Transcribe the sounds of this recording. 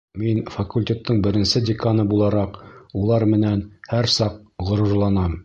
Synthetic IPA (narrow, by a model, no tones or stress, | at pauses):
minfɐkulʲtʲet̪ːɤɴbɘ̆ɾɘ̆nsɘdʲɪkanɤbulˠɑɾɑqulˠɑɾmɘ̆nænhæɾsɑq̚ʁŏɾɤ̆ɾlˠɑnɑm